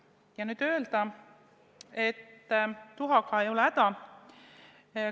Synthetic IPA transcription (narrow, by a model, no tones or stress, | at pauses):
jɑnyːd̪̥ø̞eld̪ɑ | e̞t̪ːuɦɑkɑejoleæd̪ɑ